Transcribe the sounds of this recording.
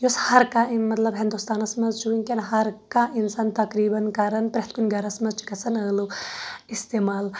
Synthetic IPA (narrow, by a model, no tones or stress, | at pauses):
jushɐɾkainmɐt̪lɐbɦĩnd̪ust̪aːnɐsmɐzt͡ʃuinkʲenɦɐɾkaʔinsaːnt̪ɐkɾiːbɐnkɐɾɐnpɾʲeɐht̪kunʲɡɐɾɐsmɐzt͡ʃi̥kɐsʰɐnəːluist̪eːmaːl